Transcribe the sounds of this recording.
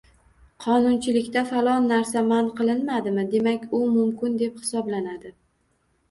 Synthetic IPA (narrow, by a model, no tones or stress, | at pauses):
qʰɒnʊnt͡ʃʰɪlɪkʲt̪afalˠɒnːaɾsamanqʰɨlˠɪnmad̪ɪmɪd̪e̞makʲʊmʊmkʲʰɪnd̪e̞phɪsɒblanad̪ɪ